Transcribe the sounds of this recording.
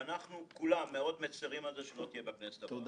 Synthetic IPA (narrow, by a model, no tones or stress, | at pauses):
anaχnukulamːeo̞d̪met͡siʁimalzeʃelo̞t̪ijebeknese̥t̪a